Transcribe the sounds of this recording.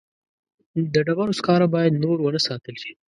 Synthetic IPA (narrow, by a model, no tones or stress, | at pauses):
d̪əɖabaɾoskɑɾabɑjad̪noɾwənəsɑt̪əlʃi̥